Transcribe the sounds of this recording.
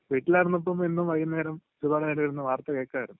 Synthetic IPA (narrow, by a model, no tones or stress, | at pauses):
peːʈːilaːjiɾunːɐp̬ːɐmenːumʋɐjɐnːeːɾɐm | ɾubaːɽɐneːɾɐiɾunːɨʋaːrt̪ːɐkeːkːaːɐɾunː